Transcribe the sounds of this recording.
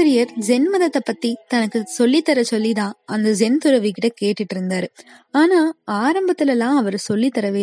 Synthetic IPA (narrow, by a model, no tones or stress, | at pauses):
ɐɾɪjɐɾd͡ʒɛnmɐðɐt̪ːɐpːɐt̪ːit̪ɐnɐkːɯsɔlːit̪ːɐɾɐsɔlːit̪ãːʔɐnd̪ɐd͡ʒɛnt̪ʊɾɐʋikɪʈːɐkeːʈːɪʈːɪɾɯnd̪aːɾɯ | aːnaːaːɾɐmbɐt̪ːɪlɛlːãːɐʋɐɾɯsɔlːit̪ːɐɾɐʋeː